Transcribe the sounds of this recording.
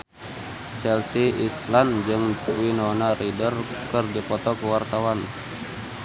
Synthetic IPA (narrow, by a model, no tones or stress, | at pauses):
t͡ʃɛlsiisland͡ʒɨŋtwinɔnaɾidərkɨrdipɔt̪ɔkəwart̪awan